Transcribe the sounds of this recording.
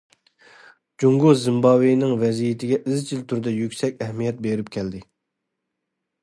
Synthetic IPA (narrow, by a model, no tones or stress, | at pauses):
d͡ʒuŋɡozɪmbɑwijnɪŋvɛzijit̪ʰɪɡʲɛʔizt͡ʃʰilt̪ʰyɾd̪ɛjykʲsɛkʲɛhmijɛt̪̚beɾɪpkʲʰɛld̪ɪ